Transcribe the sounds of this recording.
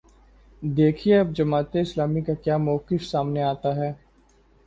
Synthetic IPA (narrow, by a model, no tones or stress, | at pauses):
d̪eːkʰieɐb̚d͡ʒɐmaːt̪eɪslaːmikakjaːmɔːkɪfsaːmneaːt̪aɦɛː